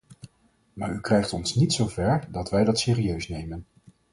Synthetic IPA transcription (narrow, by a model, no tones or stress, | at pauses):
maːɹykrɛjχtɔnsnitsowvɛɹdɑtʋɛjdɑtsɪːriøɥsnejmən